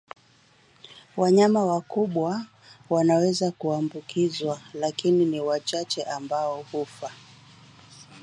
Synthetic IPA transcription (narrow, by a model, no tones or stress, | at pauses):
waɲamawakuɓwa | wanawɛzakuambukizwalakininiwat͡ʃat͡ʃɛʔambaɔhufa